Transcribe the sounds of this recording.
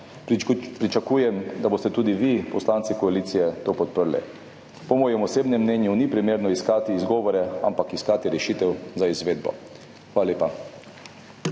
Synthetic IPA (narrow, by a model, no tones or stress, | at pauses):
pɾit͡ʃakujɛmd̪aboːst̪ɛt̪uːd̪iʋipɔslaːnt̪sikɔaliːt̪sijɛt̪oːpɔt̪̚pəɾlɛ̰ | pɔmɔːjɛmɔseːbnɛmːnɛnjunipɾimeːɾnɔiskaːt̪iːzɡɔːʋɔɾɛampakiskaːt̪iɾɛʃiːt̪ɛwzaizʋeːd̪bɔ̰ | xʋaːlaleːpa